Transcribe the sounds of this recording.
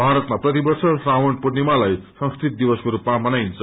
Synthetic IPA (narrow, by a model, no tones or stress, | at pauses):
bʱaɾʌt̪maprʌt̪ibʌrsʌsrawʌɳpurnimalajsʌ̃ŋskrit̪̚d̪ibʌskoɾupmamʌnajnt͡sʰʌ